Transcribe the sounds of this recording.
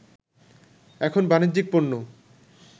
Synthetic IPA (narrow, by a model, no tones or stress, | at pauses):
ɛkʰonbanid̪d͡ʑik̚ponːo